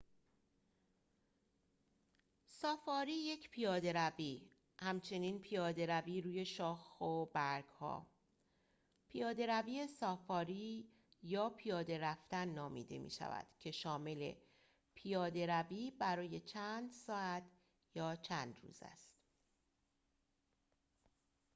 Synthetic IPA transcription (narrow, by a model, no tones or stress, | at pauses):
sɒːfɒːɾiːje̞cʰpʰijɒːd̪e̞ɾæviː | hæmt͡ʃʰe̞niːnpʰijɒːd̪e̞ɾæviːɾuːje̞ʃɒːxobæɾɡ̥hɒ̰ː | pʰijɒːd̪e̞ɾæviːe̞sɒːfɒːɾiː | jɒːpʰijɒːd̪e̞ɾæft̪ænːɒːmḭːd̪e̞̰mʔḭːʃæ̰væ̰d̪̥cʰe̞ʃɒːme̞le̞̰ | pʰijɒːd̪e̞ɾæviːbæɾɒːje̞t͡ʃʰæːnd̪sɒːæt̪ʰ | jɒːt͡ʃʰæːnd̪ɾṵːzæ̰st̪